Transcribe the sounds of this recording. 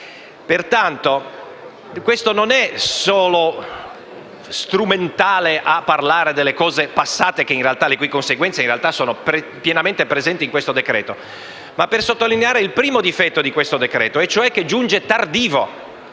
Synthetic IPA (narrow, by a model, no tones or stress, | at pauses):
pert̪ant̪o | kwest̪ononɛsɔːlo | st̪ɾument̪aːleʔapːarlaːɾed̪elːekɔːzepasːaːt̪ek̟einrealt̪alekwikonseɡwɛnt̪seinrealt̪asoːnopɾe | pjenament̪epɾezɛnt̪iŋkwest̪od̪ekɾɛ̰ːt̪o | mapːersot̪ːolineaːɾeilpɾiːmod̪ifɛt̪ːod̪ikwest̪od̪ekɾɛːt̪oɛt͡ʃoɛk̟ːed͡ʒund͡ʒet̪ard̪iːvo